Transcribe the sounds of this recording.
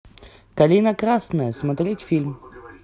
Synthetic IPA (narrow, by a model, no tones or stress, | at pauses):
kɐlʲinəkɾasnəjəsmɐt̪ɾʲetʲfʲilʲm